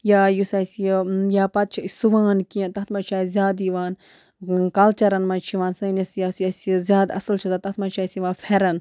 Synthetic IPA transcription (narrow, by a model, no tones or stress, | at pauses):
jaːjusɐsijaːpɐt̪̚t͡ʃʰiisuʋãːnkĩnt̪ɐt̪mɐt͡ʃʰaːjzʲjaːd̪iʋãːn | kɐlt͡ʃɐɾɐnmɐt͡ʃʰiʋãːnsɐnɐsjaːsjɐsizʲaːd̪ɐ̰sɐlt͡ʃʰizat̪ɐht̪mɐt͡ʃʰaːjsiʋaːnfʰɛɾɐn